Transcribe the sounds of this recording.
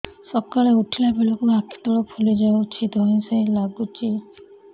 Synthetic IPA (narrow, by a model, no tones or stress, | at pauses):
sɔkaleuʈʰilabelokuakʰi̥t̪ɔlɔpʰulid͡ʒɔut͡ʃʰit̪ɔĩsẽjlaɡut͡ʃi